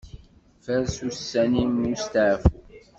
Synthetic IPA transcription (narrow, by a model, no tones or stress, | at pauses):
fæɾsusːænimjust̪aʕfu